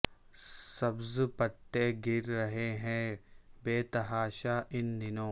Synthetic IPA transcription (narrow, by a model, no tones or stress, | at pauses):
sɐbzpɐt̪ːeɡɪɾɾɐɦeɦɛ̃ːbeːt̪ɐɦaːʃaːʔɪnːɪnõː